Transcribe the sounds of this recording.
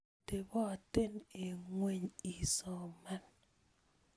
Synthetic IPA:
te˨bɔ˦a˨te˦ne˨ŋwe˦ɲi˨sɔ˨ma˦n

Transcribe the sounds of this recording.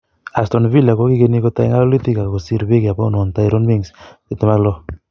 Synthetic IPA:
a˨stɔ˨nvi˦la˨ko˦ki˦ke˦ni˦ko˦ta˨i˦ŋa˦lo˦li˦ti˦ka˨ko˨si˦ɾbe˦ki˨a˨pɔ˦˨nɔ˨nta˦i˦ɾo˦nmi˦ŋsi˦tɛ˦ma˦klɔ˦

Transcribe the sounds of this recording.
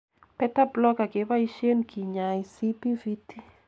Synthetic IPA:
pɛ˦ta˦blɔ˦ka˨ɡe˨˦ba˦i˦ʃje˦nkʰi˨ɲa˨jsi˦pi˦vi˦ti˦

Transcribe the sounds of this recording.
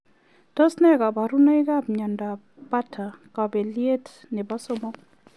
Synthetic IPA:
tɔ˦snɛ˦˨ka˨ba˨ɾu˦na˦i˦ka˦bɲɔ˨nda˨ | pa˦tʰa˨ka˨be˨lje˦t | nɛ˨ba˦sʊ˦mɔ˦

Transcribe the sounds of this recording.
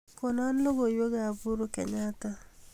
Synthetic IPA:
ko˨na˦n˦lo˦ɡo˨jwo˦ɡa˨vu˦ɾo˦ke˨ɲa˦ta˦

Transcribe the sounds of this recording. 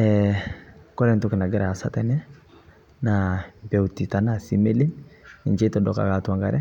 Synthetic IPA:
ɛ | kɔ˦ɾɛ˦ntu˦ki˨na˨ɡɪ˦ɾa˨sa˦ta˦nɛ˦ | nabe˨wti˨ta˨na˦si˦me˦li˦ni˨nt͡ʃe˦tɔdɔ̰˨ka̰˨ka˨twa˨ŋɡa˨ɾɛ˦

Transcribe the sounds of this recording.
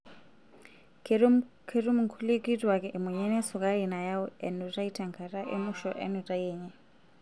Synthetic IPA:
kʰe˦ru˦mu˨ŋ̩kʰu˦le˦kʼitʼwa˨kʼɛ˨ʔmwɛ˨ɲɛ˦nɛ˦su˨kʼa˦ɾi˨na˨jaʊ˦ɛ˨nutʼa˦itʰɛ˨ŋkʰa˨rʼa˦ʔḛ˦muʃɔʔɛ̰˦nu˨tʼa˦jɛːɲɛ˦

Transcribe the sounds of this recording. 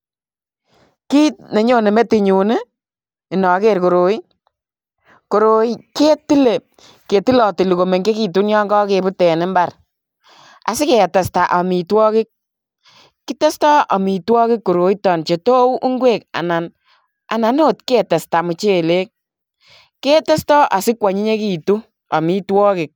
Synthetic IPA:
ki˦tne˨ɲo˦ne˨me˦ti˨ɲu˨ne˦ | i˨nɔ˨˦ke˦ɾko˨ɾo˨i˦ | ko˨ɾo˨i˦ke˦ti˦le˨ | ke˨ti˦lɔ˨ti˨li˨ko˨me˨ŋɡe˦ki˨tu˦njɔ˦ŋɡɔ˦ke˨bu˦tɛ˨nɪ˦mba˦r | a̰˨sɪ˦ke˨ta˨sta˨ʔa˨mi˨twɔː˦kɪ˦k̚ | kːi˦te˦stɔ˦ʔa˨mi˨twɔ˦kɪ˦kːo˨ɾo˨i˦tɔ˨nt͡ʃe˨to˦u˦ʔu˦ŋɡwe˦˨ka̰˨na˨n | ʔa̰˨na˨no˦˨tke˦˨te˨sta˨mu˨t͡ʃe˦le˦k̚ | kːe˦te˦stɔ˦ʔa˨sɪ˦kwa˨ɲi˦ɲe˦ki˨tu˦ | a˨mi˦twɔː˦kɪ˨k̚

